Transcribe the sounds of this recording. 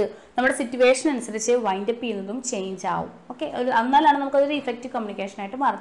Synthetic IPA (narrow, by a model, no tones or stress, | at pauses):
ɨnɐmːuɽe̞sitːjuʋe̞ːʂɐnɐnusɐɾit͡ɕːɨʋɐjndɐpːikːunːɐðumt͡ɕe̞jɲd͡ʑa̰ːʋṵmoːkːeoɾɐnːaːlaːɳɨnɐmukːoɾoɾuifek̚tiʋkɐmjunikʲːeːʂɐnaːjiʈːɨmɐrɐɲː